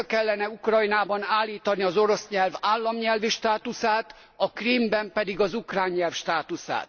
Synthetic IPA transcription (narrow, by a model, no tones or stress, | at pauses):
kɛlːɛnɛukrɒjnaːbɒnaːlːiːt̪ɒniɒzo̞ɾo̞sɲɛlvaːlːɒmɲɛlviʃt̪aːt̪usaːt̪ | ɒkrimbɛmpɛd̪iɡɒzukraːɲːɛlfʃt̪aːt̪usa̰ːt̪